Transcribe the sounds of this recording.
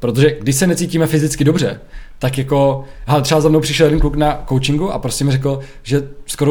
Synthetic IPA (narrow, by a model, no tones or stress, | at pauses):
pɾo̞t̪̬oʒɛɡdɪʃsɛnɛt͡siːciːmɛfɪzɪt͡skɪdo̞br̝ɛt̪akjako̞ɦɛlɛt̪r̥ɛazamnowpr̥ɪʃɛljɛdɛnkluknakowt͡ʃɪŋɡuʔa̰pɾo̞stcɛmɪrɛkl̩ | ʒɛsko̞ɾo